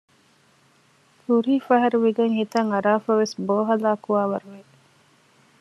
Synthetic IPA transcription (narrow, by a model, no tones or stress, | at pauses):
kuɾiːfɐɦɐɾuʋiɡeŋhit̪ɐŋɐɾaːfɐʋesboːɦɐlaːkuʋaːʋɐɾuʋe